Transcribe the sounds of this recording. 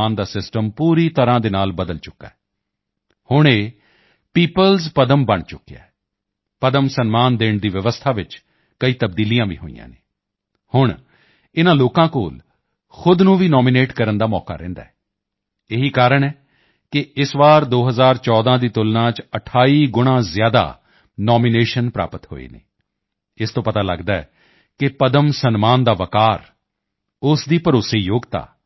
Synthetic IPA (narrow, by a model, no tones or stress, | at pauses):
aːnd̪aːsɪsʈəmpuːɾiːt̪əɾãːd̪eːnaːlbəd̪əlt͡ʃʊkːa̰ːɛ | hʊɳ̃eː | piːpəlzpəd̪əmbəɳt͡ʃʊkːeja̰ː | pəd̪əmsənmaːnd̪eːɳd̪iːʋɪʋəst̪ʰaːʋɪt͡ʃ | kəiːt̪əb̚d̪iːlijãːʋḭːɦo̰ːḭjã̰ːnḛː | hʊɳ | ɪnãːloːkãːko̰ːl | xʊd̪nũːʋiːnɔːmɪneːʈkəɾənd̪aːmɔ̰ːka̰ːɾɛ̰̃ːnd̪a̰ːɦɛː | eɦiːkaːɾəɳɛː | kɪɪsʋaːɾd̪oːɦəzaːɾt͡ʃɔːd̪ãːd̪iːt̪ʊlnãːt͡ʃəʈʰaːiːɡʊɽ̃ãːzɪjaːd̪a̰ː | nɔːmineːʃənpɾa̰ːpət̪ho̰ːḛːnḛː | ɪst̪õːpət̪aːlə̰ɡd̪aːɛ̰ː | kɪpəd̪əmsənmaːnd̪aːʋəkaːɾ | ʊsd̪iːpəɾoːseːjoːɡt̪a̰ː